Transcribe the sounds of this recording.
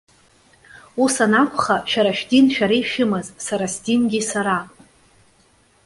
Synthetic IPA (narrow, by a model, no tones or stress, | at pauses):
usanakʷʰχaʃᶣaɾaʃᶣdinʃᶣaɾejʃᶣɪmazsaɾasdimɡʲisaɾa